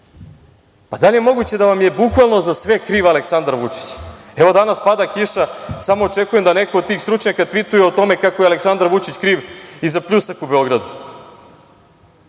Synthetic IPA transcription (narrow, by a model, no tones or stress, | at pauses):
pad̪alʲije̞mo̞ɡut͡ɕe̞d̪aʋamje̞bukʋalˠno̞zasʋe̞kɾiːʋaleksand̪ɾʋut͡ʂi̥t͡ɕɛʋo̞d̪anaspad̪akiʃasamo̞ːt͡ʂe̞kujemd̪anekood̪t̪iːxst̪ɾut͡ʃɲakat̪ʋit̪ujeot̪o̞me̞kakojealeksand̪aɾʋut͡ʃit͡ɕkɾiːʋizapʎusakubeo̞ɡɾad̪u